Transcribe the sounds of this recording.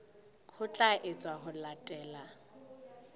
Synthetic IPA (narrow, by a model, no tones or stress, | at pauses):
hʰʊt͡ɬʼaʔet͡sʼwaɦʊlatʼɛːla